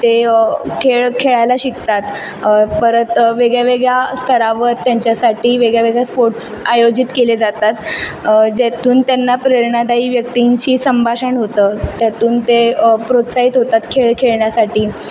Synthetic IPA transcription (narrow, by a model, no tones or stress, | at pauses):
t̪ekʰeɭkʰeɭajlaɕikt̪at̪ | pəɾət̪ʋeɡɭjaʋeɡɭjast̪ʰəɾaʋəɾt̪jaɲt͡ɕjasaʈiːʋeɡɭjaʋeɡɭjaspoɾʈs | ajod͡ʑit̪keled͡zat̪at̪ | d͡ʑet̪uːnt̪janːapɾeɾɳad̪aiːʋjək̚t̪iɲt͡ɕiːsəmbʱaɕəɳɦot̪ət̪jat̪uːnt̪epɾot̪saɦit̪ɦot̪at̪kʰeɭkʰeɭɳjasaʈiː